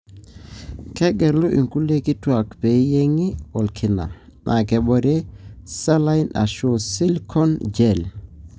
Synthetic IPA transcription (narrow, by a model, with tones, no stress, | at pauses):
kɛ˦ɡɛ˨ɾlu˦ʔḭ˨ŋku˦le˦ki˦twa˨kpe˨˦je˦ŋi˦ɔ˨lkʰi˨na̰˨ | nʔa̰˨kɛ˨bɔ˨ɾe˦sa˦la˦jnʔa̰˨ʃo˨si˦lkʰɔ˦nd͡ʒɛ˨l